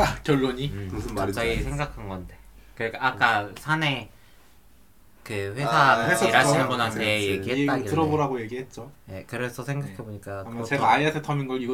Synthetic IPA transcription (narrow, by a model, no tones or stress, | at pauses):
kjʌɭːoɲikosʰat͡ɕaɡisʰe̞ŋɡakʰanɡʌnde̞kɯɾk͈aːk͈asʰane̞ | kɯɸwe̞sʰaɸwesʰaiɾaɕinnbunanʰejeiɦeatɯɾʌboɾaɡoje̞ɡiɦe̞t̚t͡ɕ͈oje̞kɯɾesʰʌsʰeŋɡakʰeboɲik͈aamʌt͡ɕe̞ɡaːiasʰetʰʌminɡʌɭiɡʌ